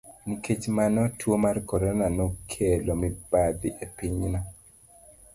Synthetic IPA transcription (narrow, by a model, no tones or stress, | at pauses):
nikʰet͡ʃmanɔtwomarkɔɾɔnanokʰelomibad̪iʔepiɲnɔ